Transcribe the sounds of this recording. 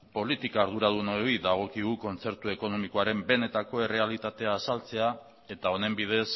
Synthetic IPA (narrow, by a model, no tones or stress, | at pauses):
po̞lit̪ikaːɾð̞uɾað̞unojðaɣ̞o̞kiɣuko̞nt͡se̞ɾt̪ue̞ko̞no̞miko̞aɾe̞mbe̞ne̞t̪ako̞e̞re̞alit̪at̪e̞aːsalt͡se̞a | e̞t̪ao̞ne̞mbið̞e̞s